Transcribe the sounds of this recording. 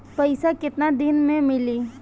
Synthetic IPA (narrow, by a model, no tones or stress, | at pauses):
pəɪsakɪt̪nad̪ɪnmẽmɪliː